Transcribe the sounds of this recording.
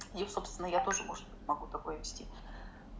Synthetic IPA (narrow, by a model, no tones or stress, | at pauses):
jiso̞pst̪vʲɪnːəjat̪o̞ʐɨmo̞ʐɨd̪̚bɨtʲmɐɡut̪ɐko̞jəvʲɪsʲtʲi